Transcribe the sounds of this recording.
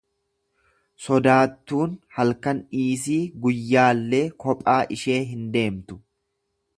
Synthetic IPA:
sɔd̪aːt̪ːuːnhɐlkɐniːs̬iːɡʊjːaːlːeːkɔpʼaːʔɪʃe̞ːɦɪnd̪e̞ːmt̪ʊ̥

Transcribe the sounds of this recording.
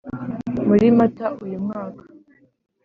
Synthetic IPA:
muɾimataʔujumŋaːkḁ

